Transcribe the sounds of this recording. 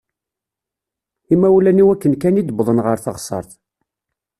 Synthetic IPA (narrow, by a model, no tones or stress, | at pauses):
imæwlæniwækːənkænid̪əbðˤənʁəɾθə̰ʁsˤːə̰ɾˤθ